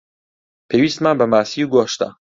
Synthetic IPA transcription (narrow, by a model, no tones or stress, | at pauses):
pʰeːwiːst̪manbəmaːsiːuɡoːʃt̪a̰